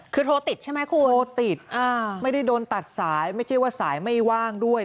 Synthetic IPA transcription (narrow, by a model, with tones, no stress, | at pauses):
kʰɯː˧t̪ʰoː˧t̪i˨˩t̪̚t͡ɕʰa˥˩ma˦˥jkʰu˧oː˧t̪i˨˩t̪̚ʔaː˧˩ma˥˩jda˥˩jdoː˧nt̪a˨˩t̪̚saː˩˦jma˥˩jt͡ɕʰa˥˩jwaː˥˩saː˩˦jma˥˩jwaː˥˩ŋdu˥˩əj